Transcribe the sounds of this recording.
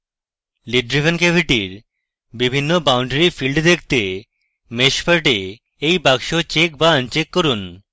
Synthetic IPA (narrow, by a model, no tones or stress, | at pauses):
liɖɾibʱenkebʱiʈiɾ | bibʱinːobawɳɖeɾifilɖd̪ek̚ʰt̪e | meʃfaɾʈe | ejbaɡʃot͡ɕek̚baənt͡ɕekːoɾun